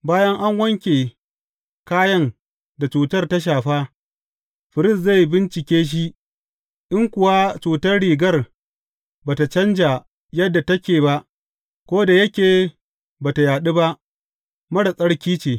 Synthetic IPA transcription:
baː˦jɐ˦ŋʔa˦ŋwɐ˦ŋkʲeː˨ | kaː˦jɐ˦ŋ | da˨t͡ʃuː˨tɐ˦rta˦ʃ̬aː˨ɸaː˦ | ɸɪ˨ɾɪ˦˨sza˦˨ji˦bɪ˦nt͡ʃɪ˨kʲeː˦ʃ̬i˦ʔ | ʔɪ˦ŋkʷʊ˨wa˦t͡ʃuː˨tɐ˦rɽiː˨ɡɐ˦r | baː˨ta˨t͡ʃɐ˦nd͡ʒa˨ | jɐ˦dːa˨tɐ˦kʲeː˨ba˦ʔ | kʷoː˦da˨jɐ˦kʲeː˨ | baː˨ta˨jaː˨ɗi˦ba˦ʔ | mɐ˦ɽa˨sʼɐ˦ɽkʲiː˦t͡ʃeː˨

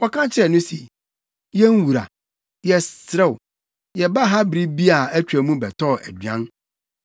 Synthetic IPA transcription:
wɔ˦kʰã˦t͡ɕʰɪ˦ɛ˨nʊ̃˦si˨ | jɛ˦n˦wu˨ɾa̰˨ | jɛ˨sɾɛ˦˨w | jɛ˨ba˦ɦa˦bɾi˦bi˦a˨æ˦t͡ɕᶣɾæ˨mũ˦bɛ˨tʰɔ˦˨ʔæ̰˨dɥã̰˦n

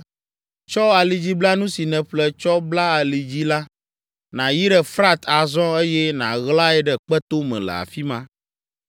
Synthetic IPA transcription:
t͡ʃɔ˦a˨li˨d͡ʑi˦bla˦nũ˦si˨nɛ̃˨ɸlɛ˦t͡ʃɔ˦bla˦a˨li˨d͡ʑi˦la˦ | nã˨ji˦ɖɛ˨fɾa˦t̪ʰa˨zɔ̃˦e˦jɛ˦nã̰˨ɣla˦ɛ˦ɖɛ˨k͡pɛ˦t̪o˦mɛ̰̃˨lɛ̰˨a̰˨fi˦mã˦

